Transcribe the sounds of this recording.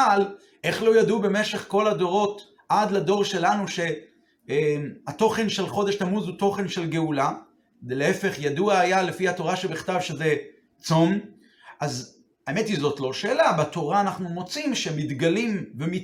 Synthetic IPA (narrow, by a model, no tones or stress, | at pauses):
al | ʔe̞χlo̞jadube̞me̞ʃe̞χko̞lado̞ʁo̞t | ʔad̪lado̞ʁʃe̞lanuʃe̞ | mat̪o̞χe̞nʃe̞lχo̞deʃtamuzut̪o̞χe̞nʃe̞lɡe̞ula | dleefe̞χjaduaajale̞fihat̪o̞ʁaʃebiχt̪avʃe̞ze̞ | t͡som | ʔaz | aemet̪izo̞tlo̞ʃe̞ːlabat̪o̞ʁaːnaχnumo̞t͡simʃemit̪ɡalimvemi